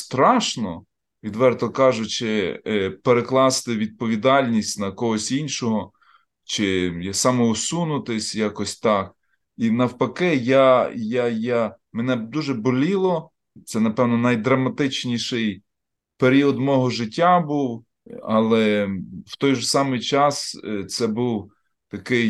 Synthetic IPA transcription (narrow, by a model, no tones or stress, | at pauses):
st̪ɾɑʃnɔ̰ | ʋʲid̪ʋɛrt̪ɔkɑʒʊt͡ʃɪpeɾeklˠɑst̪ɪʋʲid̪̚pɔʋʲid̪ɑlʲnʲisʲtʲnɐkɔɦɔsʲinʃɔɦɔ | t͡ʃɪjasɑmɔʊsunʊt̪ɪsʲjakɔsʲt̪ɑk̚ | inɐwpɐkɪjajaja | menɛd̪uʒɛbɔlʲilˠɔ | t̪sɛnɐpɛwnɔnɐjd̪ɾɐmɐt̪ɪt͡ʃnʲiʃɪj | peɾʲiɔd̪mɔɦɔʒɪtʲːabuw | ɐlˠɛw̥t̪ɔjʒɔsɑmɪjt͡ʃɑst̪sɛbuw | t̪ɐkɪj